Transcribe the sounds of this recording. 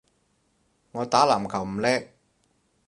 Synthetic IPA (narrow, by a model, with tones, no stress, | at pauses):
ŋɔː˨˧t̪aː˨˥laː˨˩mkʰɐ˨˩wm̩˨˩lɛː˥k̚